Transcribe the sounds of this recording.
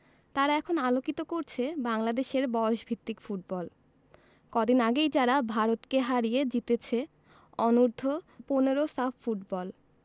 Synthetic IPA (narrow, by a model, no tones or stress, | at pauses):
t̪aɾaɛkʰonalokit̪okoɾt͡ɕʰebaŋlad̪eʃeɾbɔoʃbʱit̪ːikfuʈ̚bɔl | kɔd̪inaɡejd͡ʑaɾabʱaɾot̪keɦaɾijed͡ʑit̪et͡ɕʰe | ɔnuɾd̪ʱoponeɾosaffuʈbɔl